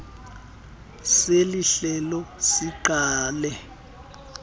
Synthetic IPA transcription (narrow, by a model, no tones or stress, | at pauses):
seliɬɛlɔsiǃaːlɛ